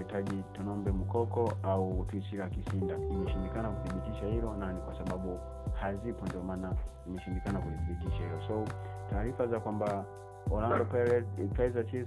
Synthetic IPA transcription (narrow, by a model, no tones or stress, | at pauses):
itaʄitɔnɔmbɛm̩kɔkɔautuisiɾakisindaimɛʃindikanakuðiɓitiʃahilɔnanikwasaɓaɓu | hazipɔndiɔmanaimɛʃindikanakuðiðiɓitiʃahilɔsɔutaːɾifazakwamba | ɔlaŋdɔpaɾɛkaɛzat͡ʃi